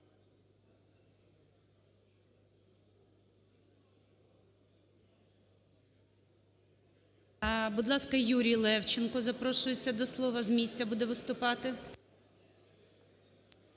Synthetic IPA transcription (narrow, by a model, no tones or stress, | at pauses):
ɐbud̪lˠɑskɐjuɾʲijlˠɛwt͡ʃɪnkɔzɐpɾɔʃʊjet͡sʲːɐd̪ɔslˠɔʋɐzmʲisʲt͡sʲɐbud̪ɛʋɪst̪ʊpɑt̪ɪ